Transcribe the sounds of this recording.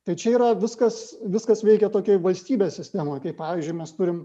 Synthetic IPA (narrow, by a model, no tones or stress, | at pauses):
t̪ɐɪt͡ʃʲɛiːɾɐʋʲɪskɐsʋʲɪskɐsʋʲɛɪkʲɛt̪oːkʲɛʋɐlʲsʲt̪ʲiːbʲeːsʲsʲɪsʲt̪ʲæmɐkɐɪppɑːʋʲiːzʲd͡ʒʲʊɪmʲɛst̪ʊɾʲɪm